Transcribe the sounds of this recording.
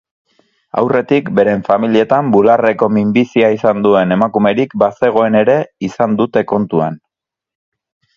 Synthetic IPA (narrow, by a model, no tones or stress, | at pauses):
a̰wre̞t̪ikbe̞ɾe̞ɱfamilie̞t̪ambulare̞ko̞mimbisiaisand̪ue̞ne̞makume̞ɾikbase̞ɣ̞o̞e̞ne̞ɾe̞isand̪ut̪e̞ko̞nt̪ua̰n